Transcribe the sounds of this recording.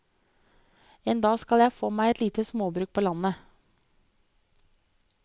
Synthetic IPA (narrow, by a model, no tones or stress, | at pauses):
eːnd̪ɑːskɑljæɪfoːmæɪɛt̪liːt̪əsmoːbɾʉːk̚pʰoːlɑnə